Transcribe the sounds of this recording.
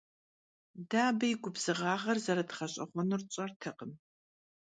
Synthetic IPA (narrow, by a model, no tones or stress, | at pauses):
daːbɐjɪɡʷʊbz̥ɨʁɑːʁɐrzɐɾɐtχɐɕʼɐχʷɔnurt͡ʃʼɐrtʰɨqəm